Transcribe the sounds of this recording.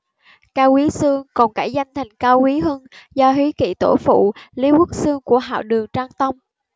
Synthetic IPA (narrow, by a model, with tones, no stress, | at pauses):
kaː˧wki˨˦sɨ˧əŋkɔ˨˩nkaː˧˩jza˧jŋ̟t̪ʰa˨˩jŋ̟kaː˧whi˨˦ɦə˧nzɔ˧ɦi˨˦kḭ˧˩t̪o˧˩fṵ˧˨li˨˦wə˦˥k̚sɨ˧əŋku˧˩əɦa̰ː˧˨wɗɨ˨˩əŋt͡ɕaː˧ŋt̪ə˧wŋ͡m